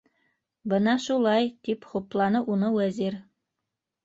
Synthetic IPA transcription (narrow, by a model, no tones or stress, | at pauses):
bɤnɑʃulˠɑjt̪ipχŭplˠɑnɤʔunɤwæziɾ